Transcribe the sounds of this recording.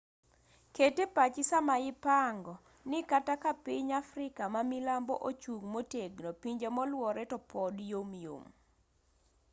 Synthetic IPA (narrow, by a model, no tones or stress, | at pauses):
ketepat͡ʃɪsamaɪpaŋɡɔ | nɪkatakapiɲafɾɪkamamilambɔ̰ʔot͡ʃuŋmoteɡnɔpiɲd͡ʒemɔlwɔɾɛtɔpɔdjomjo̰m